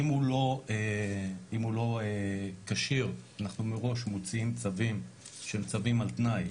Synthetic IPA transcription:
imulo̞e | imulo̞ekaʃiʁanaχnumeʁo̞ʃmot͡siimt͡savim | ʃemt͡savimalt̪naj

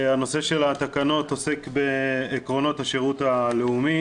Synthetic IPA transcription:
ano̞se̞ʃe̞lat̪akano̞t̪o̞se̞kbe̞ːkʁo̞no̞thaʃeʁutaleumi

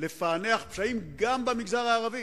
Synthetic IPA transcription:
le̞faneaχpʃaimɡambamiɡzaʁaːʁavi

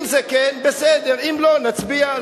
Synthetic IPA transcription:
mzekɛnbesed̪eʁimlo̞nat͡sbia

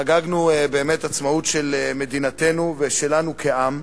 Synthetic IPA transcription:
aɡaɡnuebeːmetat͡smaut̪ʃeleme̞d̪inat̪e̞nuveʃe̞lanukʰeʔam

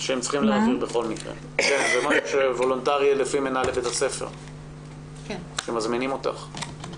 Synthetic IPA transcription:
ʃeemtt͡sχimleaviʁbeχo̞lmikʁḛ | kenzemaʃuʃevo̞lontaʁielefimenalebet̪ase̞fḛʁ | ʃemazminimo̞t̪a̰χ

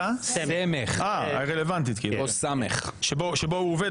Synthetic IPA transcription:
aemeχaaʁelevant̪̬it̪kilosamḛχʃeboʃebouoved

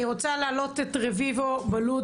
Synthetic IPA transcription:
iʁo̞t͡saleːlo̞t̪etʁevivobalu

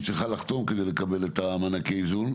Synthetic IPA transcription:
t͡sʁiχalaχt̪o̞mke̞d̪e̞jle̞kabe̞let̪amanakeizun

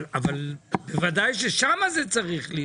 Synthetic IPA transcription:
avalbevad̪ajʃ̬eʃamazet͡saʁiχli

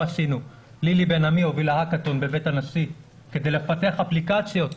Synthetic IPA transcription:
asinu | lilibenamio̞vilahakat̪onbe̞betanasi | ke̞d̪ejlefate̞aχaplikat͡sjo̞t̪

